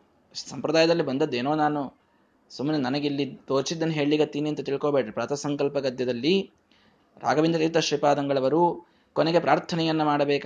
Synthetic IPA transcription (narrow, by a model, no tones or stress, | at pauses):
sɐmpɾɐd̪aːjɐd̪ɐlːibɐnd̪ɐd̪ːe̞ːno̞ːnaːnu | sumːɐninɐnɐɡilːid̪oːɾsid̪ːɐnːuɦe̞ːɭliɡɐt̪ːiːniɐnt̪ut̪iɭkoːbeːɽɐipɾɐːt̪ɐsɐŋkɐlpɐɡɐd̪jɐd̪ɐlːi | ɾʔa̰ːɡɐʋind̪ɾɐit̪ːɐʃɾipaːd̪ɐŋɡɐɭɐʋɐɾu | koneɡe̞pɾaːɾt̪ʰɐnɛjɐnːɐmaːɽɐbeːk